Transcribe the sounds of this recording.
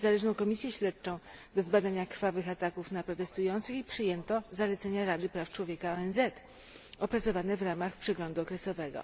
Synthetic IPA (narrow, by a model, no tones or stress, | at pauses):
zalɛʐnɔ̃w̃kɔmʲisʲjɛɕlɛt̪̚t͡ʂɔ̃w̃d̪ɔzbad̪aɲakɾfavɘxat̪akufnapɾɔt̪ɛst̪ujɔnt̪sɘxipʂɘjɛnt̪ɔzalɛt̪sɛɲaɾad̪ɘpɾaft͡ʂwɔvʲjɛkaɔɛnzɛt̪ | ɔpɾat̪sɔvanɛvɾamaxpʂɛɡlɔnd̪uɔkɾɛsɔvɛɡɔ̰